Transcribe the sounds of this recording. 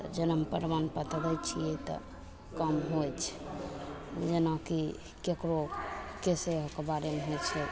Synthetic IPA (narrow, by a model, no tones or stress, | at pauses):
d͡ʒənəmpəɾʋanpət̪ələjt͡ʃʰijet̪ɔ̰ | kəmɦojt͡ʃʰɛ̥ | d͡ʒenaki | kekɾokeseɦkebaɾemeɦojt͡ʃʰɛ